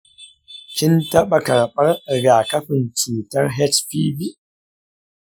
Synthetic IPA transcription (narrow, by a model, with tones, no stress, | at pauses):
kʲɪ˦ntɐ˦ɓa˨kɐ˨ɽɓɐ˦rɡaː˨kɐ˦ɸɪ˨nt͡ʃuː˨tɐ˦rɦɛ˦tɸiː˦bi˦ʔ